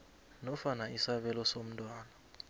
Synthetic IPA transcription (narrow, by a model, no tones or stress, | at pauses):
nɔfanaisaɓɛlɔsom̩tʼwaːna